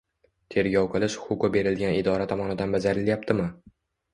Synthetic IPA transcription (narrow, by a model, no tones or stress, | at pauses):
t̪ʰe̞ɾɡʲɒwqʰɨlˠɪʃχʊkʊbe̞ɾɪlɡʲanɪd̪ɒɾat̪ʰɒmɒnɪd̪anbad͡ʒaɾɪljap̚t̪ʰɪmɪ